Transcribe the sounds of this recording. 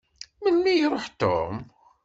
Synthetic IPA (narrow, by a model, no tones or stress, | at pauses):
mənːijɾˤoħt̪o̰m